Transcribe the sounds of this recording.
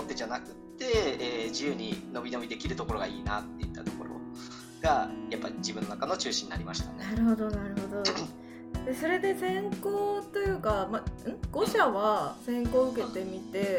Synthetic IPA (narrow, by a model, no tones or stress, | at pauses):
ot̪ːed͡ʑanakɯ̟tt̪ːe̞eːd͡ʑiɯ̟ːɲ̟ino̞bʲino̞bʲid̪e̞kʲiɾɯ̟t̪o̞ko̞ɾo̞ɡaḭːnat̪ːe̞it̪ːat̪o̞ko̞ɾo̞̰ | ɡ̥ajapːaɾʲid͡ʑibɯ̟nːonakano̞t͡ɕɨːɕĩɲ̟ːinaɾʲimaɕi̥t̪anenaɾɯ̟ɦo̞d̪o̞naɾɯ̟ɦo̞d̪o̞ | d̪̥e̞so̞ɾe̞d̪e̞sẽ̞ŋkoːt̪ojɯ̟ːkamaɯ̟̃ɡ̥o̞ɕaβasẽ̞ŋko̞ːɯ̟ke̞t̪e̞mʲit̪e̞